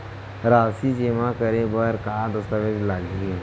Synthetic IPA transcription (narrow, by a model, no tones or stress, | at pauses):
ɾaːsid͡ʒeːmakəɾebəɾkaːd̪əst̪aʋed͡ʒlaɡi